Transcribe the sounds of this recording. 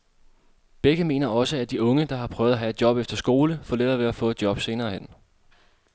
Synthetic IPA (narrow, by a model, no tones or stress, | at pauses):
b̥eɡ̥əme̝̰ːnɐɒ̽səæd̥iɔ̽ŋəd̥ɑ̈hɑ̈pʰʁœ̰ʊðˠæɦæe̝d̥jɒ̽b̥efd̥ɐsɡ̥o̝ːləfɒ̰ːled̥ɐːʋe̝æfɔ̰̽ːe̝d̥jɒ̽b̥se̝ːnɐːhen̰